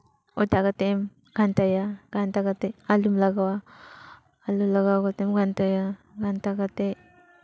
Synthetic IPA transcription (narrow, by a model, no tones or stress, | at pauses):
ɔtaɡat̪em | ɡ̥ant̪ajaɡant̪aɡat̪ealumlaɡawaː | lulaɡawɡat̪emɡant̪aja | ɡant̪aɡat̪e